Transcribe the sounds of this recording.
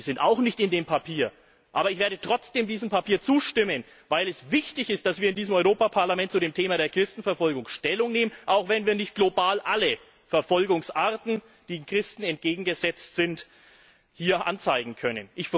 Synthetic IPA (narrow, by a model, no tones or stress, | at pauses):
zɪnta̰ʊxnɪçtɪndeːmpʰapʰiːɐ | ʔa̰ːbɐɪçv̥eːɐdətʁ̥ɔt͡sd̥eːmdiːzm̩pʰapʰiːɐt͡suːʃtɪmən | vaɪlɛsvɪçtɪçɪst̚d̥asv̥iːɐɪndiːzəmɔʏʁoːpapʰaɐlamɛntt͡suɾeːmtʰeːmaɾeːɐkʁ̥ɪstn̩fɛɐfɔlɡʊŋʃtɛlʊŋneːmənʔaʊxv̥ɛnviːɐnɪçt̚ɡ̥lobaːlʔalə | fɛɐfɔlɡʊŋsʔaɐtn̩ | d̥iːmkʁ̥ɪstn̩ɛnt̚ɡ̥eːɡŋ̩ɡəzɛt͡stz̥ɪnt | hiːɐʔa̰nt͡saɪɡŋ̩kʰœnənʔɪç